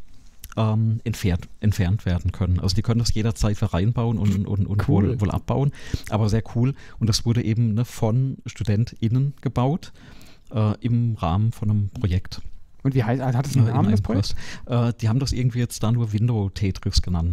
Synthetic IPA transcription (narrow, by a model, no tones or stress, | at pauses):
ʔɛːmʔɛntfɛːɐtʔɛntfɛɐntv̥eːɐdn̩kʰœnənʔalzod̥iːkʰœnəndasjeːɾɐt͡saɪtfiːɐʁaɪnbaʊənʊnʊ̰nʊ̰ntvoːlvoːlʔa̰p̚b̥a̰ʊənʔa̰ːbɐzeːɐkʰuːlʔʊntd̥asv̥ʊɐɾəʔeːbm̩nəfɔnʃtudɛntʔɪnənɡ̥əbaʊt | ʔɛːʔɪmʁa̰ːmənfɔnəmpʁ̥ojɛkt | ʊntviːaɪhatdɛːmʰɔstʔɛːd̥iːhaːbm̩dasʔɪ̰ɐɡŋ̩tv̥iːjɛt͡std̥aːnuːɐvɪndotʰɛːtʁ̥ɪsɡ̥ənant